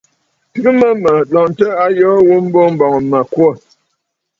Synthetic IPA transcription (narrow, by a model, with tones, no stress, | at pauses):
tɨ˦ɣɨ˦mə˦mə˨lɔ˨ntə˦a˦jɔː˦wu˦m̩˦bo˦m̩˦bɔ˨ŋ˨ma˨kwo˦˨